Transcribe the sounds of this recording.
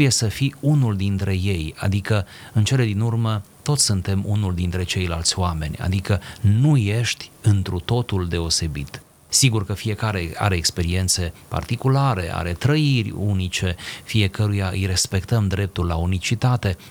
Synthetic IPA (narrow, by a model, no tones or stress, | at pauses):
je̞səfiunuld̪int̪ɾe̞je̞ja̰d̪ikə | ɨnt͡ʃe̞le̞d̪inurmət̪o̞t̪sʲsɨnt̪e̞munuld̪int̪ɾe̞t͡ʃe̞jlalt̪sʲoame̞nʲa̰d̪ikənuje̞ʃt̪ʲɨnt̪ɾut̪o̞t̪uld̪e̞o̞se̞bḭt̪ | siɡurkəfije̞kaɾe̞a̰ɾeːkspe̞ɾie̞nt̪se̞pa̰rt̪ikulaɾe̞̰ʔa̰ɾe̞t̪ɾəirʲṵnit͡ʃe̞fije̞kəɾujaʔɨ̰jre̞spe̞kt̪əmd̪ɾe̞p̚t̪ulːaunit͡ʃit̪at̪e̞